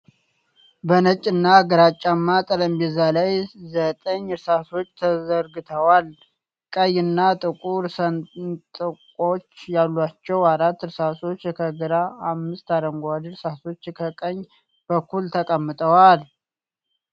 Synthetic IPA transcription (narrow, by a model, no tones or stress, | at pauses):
bənət͡ʃʼːɨnːaɡəɾat͡ʃʼːamːat̪ʼələmbɛzalajzət̪ʼəɲɨɾsaso̞t͡ʃːt̪ʰəzəɾɡɨt̪ʰəwal | kʼəjɨnːat̪ʼɨkʼuɾsənt̪ʼɨkʼo̞t͡ʃːjalːat͡ʃːɛwaɾat̪ːɨɾsaso̞t͡ʃːkʰəɡɨɾaːmːɨst̪aɾəŋɡʷad̪ɾsaso̞t͡ʃːkʰəkʼəɲː | b̥əkʰːult̪ʰəkʼəmːɨt̪ʼəwal